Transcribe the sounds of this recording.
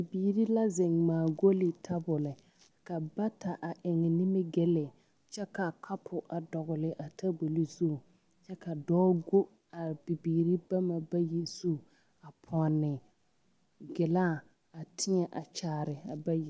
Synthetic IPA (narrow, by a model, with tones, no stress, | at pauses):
bi˨biː˨ɾi˦la˦zɪ˨ŋmaː˨ɡo˦lɪ˨tʰa˦bʊ˨lɪ˨ | ka˨ba˦ta˨ʔa˨ʔɪ˨ŋɪ˨nɪ˦mɪ˦ɡɛ˦lɪ˨ | t͡ʃɛ˦ka˨kʰa˦pʰʊ˨ʔa˨dɔ˨ɣʊ˨lɪ˨ʔa˨tʰa˦ɡo˨li˦zu˦˨ | t͡ʃɛ˦ka˨dɔː˦ɡo˦ | a˨b̥i˨biː˨ɾi˦ba˦ma˨ba˦ji˦zu˦˨ | a˨pʰɔ˨nːɪ˨ | ɡɪ˨laː˦˨ | a˨tʰɪ˦ɲɛ˨ʔa˨t͡ʃaː˨ɾɪ˨a˨ba˦ji˨